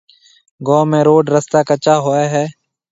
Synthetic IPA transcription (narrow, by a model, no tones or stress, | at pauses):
ɡɔːmẽːɾoːɖɾəst̪aːkət͡ʃaːɦoːeːɦɛː